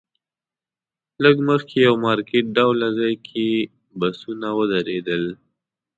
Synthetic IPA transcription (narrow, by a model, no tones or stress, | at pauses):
ləɡməxkʰejawmɑɾkeʈ̚ɖawlazɑjkʰe | basunawəd̪aɾed̪əl